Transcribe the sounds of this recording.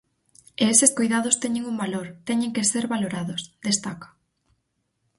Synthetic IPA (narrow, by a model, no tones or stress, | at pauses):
eeseskojðað̞ost̪ɛɲeŋuŋbaloɾt̪ɛɲeŋkeseɾβaloɾaðʊsd̪est̪akḁ